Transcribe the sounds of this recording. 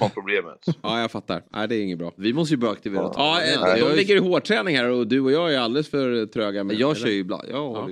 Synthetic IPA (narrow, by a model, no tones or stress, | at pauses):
ɔpʰɾʊbleːmə̰t̪ɑːjɑːɡfat̪ːa̰ɾʔæ̰ɪd̪ɛːɾɪŋːənbɾɑ̰ːvɪmɔst̪əjəbɑːɾaak̚t̪ɪveɾʰɑːd̪ɔmlɪɡːəɾɪhoːʈʰɾɛːnɪŋhæːɾɔd̪ʉɔjɑːæjald̪əɛlɛsfœɾt̪ʰɾøːɡamɛjɑːɡ̪œːjɪbla̰nd̪jɑ̰ː